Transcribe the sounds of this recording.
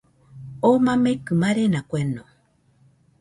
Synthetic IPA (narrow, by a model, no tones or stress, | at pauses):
omãmekɨmãɾenakʷenõ